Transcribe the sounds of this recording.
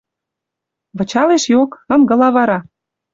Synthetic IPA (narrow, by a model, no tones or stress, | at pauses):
βɤ̆t͡ɕɑleʃjokɤ̆mɡɤ̆lɑβɑɾɑ